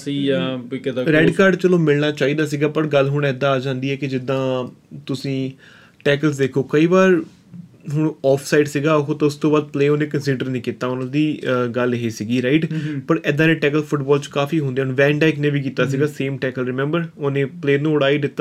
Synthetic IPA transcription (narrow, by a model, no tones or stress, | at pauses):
siːjaːkɪd̪ɾɛːɖkaːɾɖt͡ʃəlõːmɪlnaːt͡ʃaːiːd̪aːs̬iːɡaːpəɾɡəlɦʊɳ̃ɛːd̪ːãːaːd͡ʒãːnd̪iːɛːkɪd͡ʒɪd̪ːãːt̪ʊsĩː | ʈɛːkəlsd̪eːkʰoːkəiːbaːɾ | ɦʊɳɔːpʰsaːɪɖsiːɡaːɦoːt̪ãʊst̪õːbaːd̪̚pleːoːnẽːkənsiːɖəɾnĩːkit̪ːaːʊnãːd̪iːɡəlɦeːsiːɡiːɾaːɪʈpəɾɛːd̪ãːnẽːʈɛːkəlpʰʊʈbɔːlt͡ʃkaːfʰiːɦõnd̪eːnʋɛ̃ːɳɖɛːknẽːʋiːk̬iːt̪aːs̬iɡaːseːmʈɛːkəlɾɪmɛ̃mbəɾoːnẽːpleːɾnũːʊɽaːiːd̪ɪt̪ːaː